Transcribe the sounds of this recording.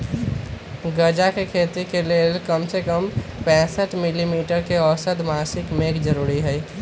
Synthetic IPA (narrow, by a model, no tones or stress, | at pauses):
ɡəd͡ʒakekʰeːt̪ikeleːlkəmsekəmpɛ̃ːsəʈmilimiːʈəɾkeɔsəd̪maːsɪkmeːkd͡ʒəɾuːɾiɦɛi